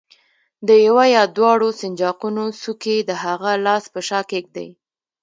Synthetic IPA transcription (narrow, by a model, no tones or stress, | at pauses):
d̪əjawajɑd̪wɑɽosɪnd͡ʒɑqunosuked̪əɦaɣalɑspəʃɑkek̚d̪a̰j